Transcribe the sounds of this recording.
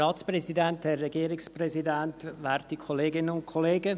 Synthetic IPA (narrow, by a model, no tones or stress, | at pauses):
ɑːtsprɛsidænthɛrːɛɡiːɾɪksprɛzidæntʋɛːɾtikʰoleːɡɪnənʊnkʰoleːɡə